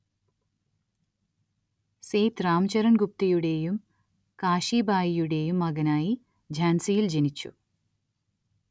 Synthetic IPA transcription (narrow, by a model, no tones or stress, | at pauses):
sejt̪raːmt͡ɕɐɾɐnɡup̚t̪ɐjuɽe̞ːjum | kaːʂiːbʱaːjijuɽe̞jumːɐɣɐnaːji | d͡ʑʱaːnsijild͡ʑenit͡ɕːṵ